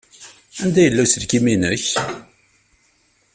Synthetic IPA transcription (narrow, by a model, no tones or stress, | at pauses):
ænd̪æjəlːæsəlkiminəç